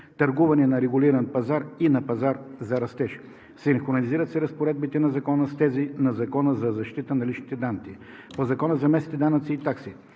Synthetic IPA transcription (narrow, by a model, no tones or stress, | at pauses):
t̪ɐɾɡuvɐnɛnɐɾɛɡuliɾɐnpɐzaɾinɐpɐzaɾzɐɾɐst̪ɛʃ | sinxonɐliziɾət̪sɛɾɐspoɾɛd̪̚bit̪ɛnɐzɐkɔnəst̪ɛzinɐzɐkɔnəzɐzɐʃt̪it̪ənɐlit͡ʃnit̪ɛd̪ant̪si | pozɐkɔnəzɐmɛsit̪ɛd̪anɐt̪siːt̪aksi